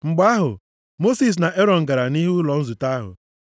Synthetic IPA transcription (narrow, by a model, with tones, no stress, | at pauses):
ŋ͡m̩˨ɡ͡ba˦ɦʊ̰˨ | mo˦si˨s̬na˨ʔe˦ɾɔ˨n̩˨ɡa˨ɾa˨ni˦ɦu˦lɔ˨n̩˦zu˨ta˦a˦ɦʊ̰˨